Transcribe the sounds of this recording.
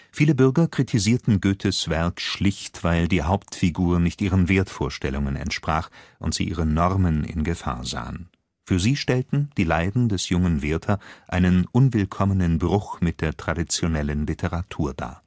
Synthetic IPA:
fiːləbʏɐɡɐkʁ̥itʰiziːɐtn̩ɡøːtʰəsv̥ɛɐkʃlɪçtv̥aɪldiːɦaʊp̚tfiɡuːɐnɪçtʔiːʁ̞ənveːɐtfoːɐʃtɛlʊŋənɛ̰ntʃpʁ̥aːχʔʊ̰ntz̥ḭʔiːʁənɔʁmənɪ̰nɡəfa̰ːɐza̰ːən | fyːɐziːʃtɛltn̩d̥iːlaɪdn̩dɛsjʊŋənveːɐtʰɐʔaɪnənʔʊnvɪlkʰɔmənənbʁʊxmɪt̚d̥eːɐtʁ̥adit͡sjonɛlənlitʰəʁatʰuːɐd̥a̰ː

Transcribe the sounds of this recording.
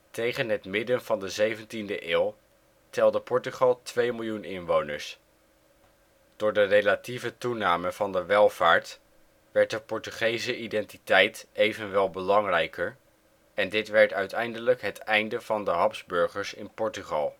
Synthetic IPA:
tejχənɦətmɪdənv̥ɑndəzejvəntindəʔɪːlˠ | tɛlˠdəpɔɹtyχɑlˠtʋejmɪlˠjunɪnʋownə̰ɹs | d̥ʊːɹdərejlativətunaːməvɑndəʋɛlˠv̥aːɹt | ʋɛɹt̚dəpɔɹtyχejsəʔidɛntitɛjtejvənʋɛlˠbəlɑŋrɛjkʰəɹ | ɛndɪtʋɛɹtœɥtɛjndələkɦətɛjndəvɑndəɦɑpzbɵɹχəɹsɪnpɔɹtyχɑ̰lˠ

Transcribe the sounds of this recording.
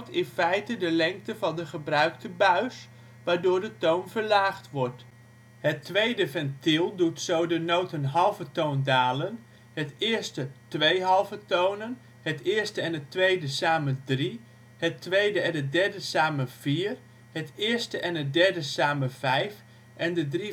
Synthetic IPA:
tɪnfɛjtədəlɛŋk̚təvɑndəχəbrœɥktəbœɥs | ʋaːɹdʊːɹdətownvəɹlaːχtʋɔɹt | ɦətʋejdəvɛntɪlˠdutsowdənowtənɦɑlˠvətowndaːlən | hətɪːɹstətʋejɦɑlˠvətownən | ɦətɪːɹstəɛnətʋejdəsaːmədri | ɦətʋejdəɛndədɛɹdəsaːməv̥iːr | hətɪːɹstəʔɛnədɛɹdəsaːməvɛjf | ʔɛndədri

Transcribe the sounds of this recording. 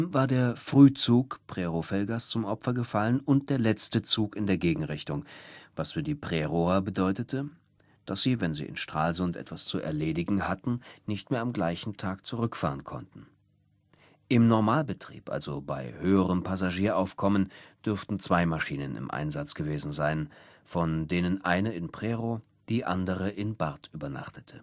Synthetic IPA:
mvaːɐdeːɐfʁ̥yːt͡suːkpʁ̥eʁofɛlɡast͡sʊmʔɔpfɐɡəfalənʊnt̚d̥eːɐlɛt͡stət͡suːkɪndeːɐɡeːɡŋ̩ʁɪçtʊŋvasfyːɐdiːpʁ̥eːʁoɐbədɔʏtətʰə | d̥asz̥iːvɛnzḭːʔɪ̰nʃtʁ̥aːlzʊntʔɛ̰tv̥ast͡suɛ̰ɐleːdɪɡŋ̩hatn̩nɪçtmeːɐamɡlaɪçn̩tʰaːkt͡suʁʏkfa̰ːʁənkʰɔ̰ntn̩ | ʔɪmnɔɐmaːlbətʁ̥ḭːpʔa̰lzoba̰ɪhøːəʁəmpʰazaʒiːɐʔaʊfkʰɔmənd̥ʏɐftn̩t͡sv̥aɪmaʃiːnənɪ̰mʔa̰ɪnzat͡sɡ̥əveːzn̩zaɪnfɔndeːnənʔaɪnəɪnpʁ̥eʁo | d̥iːʔandəʁəʔɪnbaʁtʰʔyːbɐna̰χtə̥tʰə̥

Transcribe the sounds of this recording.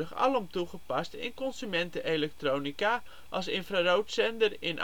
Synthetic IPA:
əχɑ̰lɔmtuχəpɑstɪ̰nkɔnzymɛntəʔelɛk̚troːnika | ʔɑ̰lˠsɪnfraːrowtsɛndərɪnʔ

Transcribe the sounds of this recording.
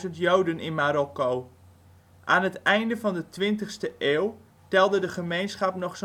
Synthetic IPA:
zəntjowdənɪnmaːɾɔkow | ʔaːnɦətɛjndəvɑndətʋɪntəχstəʔeːwˠ | tɛlˠdədəχəmejnsχɑpnɔχs

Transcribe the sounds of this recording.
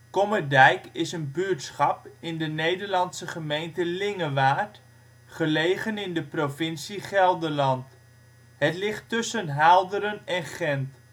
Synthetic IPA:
kɔmədɛjkɪsənbyɹtsχɑpɪndənejdəɹlɑnsəχəmejntəlɪŋəʋaːt | χəlejχənɪndəprovɪnsiχɛlˠdəɹlɑnt | ɦətlɪχtːʏsənɦaːlˠdəɾənɛnχɛnt

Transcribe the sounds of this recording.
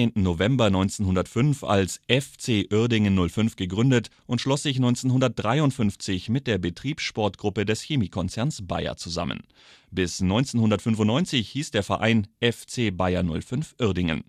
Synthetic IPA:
eːntn̩novɛmbɐnɔʏnt͡senɦʊndɐtfʏnfa̰lsʔɛft͡seːʔʏɐdɪŋənːʊlfʏnfɡ̥əɡʁʏndətʔʊntʃlɔsz̥ɪçnɔʏnt͡senɦʊndɐt̚d̥ʁaɪʊntfʏnft͡sɪçmɪt̚d̥eːɐbətʁ̥iːpsʃpɔɐtɡ̥ʁʊpədɛsçemiːkʰɔnt͡sɛɐnsb̥a̰ɪɐ̰t͡suza̰mə̰n | bɪsnɔʏnt͡senhʊndɐtfʏnfʊntnɔʏnt͡sɪçhiːsd̥eːɐfɛɐʔaɪnʔɛft͡seːbaɪɐnʊ̰lfʏnfʔʏɐdɪŋə̰n

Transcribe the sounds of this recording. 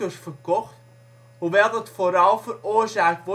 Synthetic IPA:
əsfərkɔxt | huʋɛlˠdɔtfoɾɑlˠfəroərsaːkʋɔ

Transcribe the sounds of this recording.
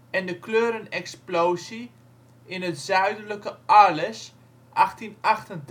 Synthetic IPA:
ɛndəkløːɾənɛksplowsi | ɪnətzœɥdələkəalɛs | ʔaxtinaχtənd

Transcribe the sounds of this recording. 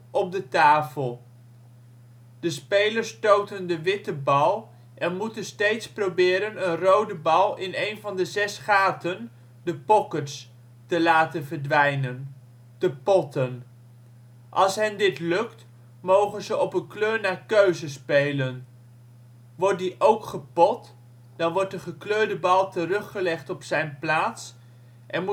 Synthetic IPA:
ʔɔp̚dətaːfəlˠ | d̥əspejləɹstowtəndəʋɪtəbɑlˠ | ʔɛnmutənstejtsprowbɪːɾənənrowdəbɑlˠɪnejnvɑndəzɛsχaːtən | dəpɔkəts | təlaːtənvəɹdʋɛjnən | təpɔtən | ʔɑlˠsɦɛndɪtlɵkt | mowχənzəʔɔpənkløːɹnaːɹkøɥzəspejlən | ʋɔɹt̚diʔowkχəpɔt | d̥ɑnʋɔɹt̚dəχəkløːɹdəbɑlˠtərɵχːəlɛχtɔpsɛjnplaːts | ʔɛnm

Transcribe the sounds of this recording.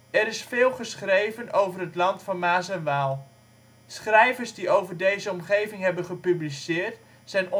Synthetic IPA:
ɛɾɪsfɪːlˠχəsχrejvənowvərɦətlɑntfɑnmaːsɛnʋaːlˠ | sχrɛjvəɹzdiowvərdejzəɔmχejvɪŋɦɛbənχəpyblisɪːrt | sɛjn

